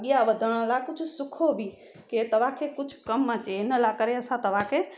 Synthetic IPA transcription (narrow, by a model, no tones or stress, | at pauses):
ɡijaʋɐd̪ʱəɽ̃lakʊd͡ʒʱʊsʊkʰobʱi | ket̪ɐʋakʰekʊd͡ʒʱʰkɐmət͡ʃeɪnəlakɐɾeɐsãt̪ɐʋ̤akʰe